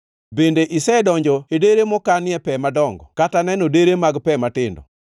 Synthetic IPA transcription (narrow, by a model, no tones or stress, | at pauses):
bendeʔisɛdɔɲd͡ʒɔedeɾemɔkanɪɛpɛmadɔŋɡɔkatanɛnodeɾemaɡpɛmatɪndɔ̰